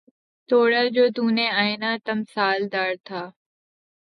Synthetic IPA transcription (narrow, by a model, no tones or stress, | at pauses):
t̪oːɽaːd͡ʑoːd̪uːnẽːaːeːnãːt̪əmsaːld̪aːɾt̪ʰaː